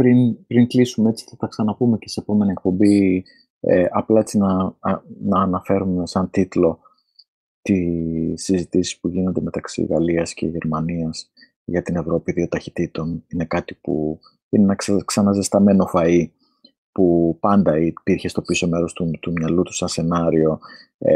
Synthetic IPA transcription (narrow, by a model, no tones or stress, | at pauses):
pɾinpɾiŋklisumee̞t͡si̥θɐt̪ɐksɐnɐpume̞ce̞seepo̞me̞nie̞k̚po̞mbi | ḛʔɐplɐet͡sinɐ | nɐːnɐfe̞ɾumesɐnt̪it̪lo̞ | t̪isːizit̪isi̥spuʝinond̪e̞me̞t̪ɐksḭɣɐliɐsce̞̰ʝe̞ɾmɐniɐs | ʝɐt̪ine̞vɾo̞piðio̞t̪ɐçi̥t̪it̪o̞nine̞kɐt̪ipṵ | inenɐkksɐnɐzest̪ɐme̞no̞fɐi | pupɐnd̪ɐipiɾçe̞st̪o̞piso̞me̞ɾo̞st̪ut̪umɲɐlut̪u̥sɐnse̞nɐɾio̞